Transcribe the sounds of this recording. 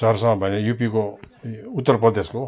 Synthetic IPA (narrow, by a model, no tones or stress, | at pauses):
sʌɦɾsʌŋʌbʱʌnejupiko | ut̪ːʌrprʌd̪esko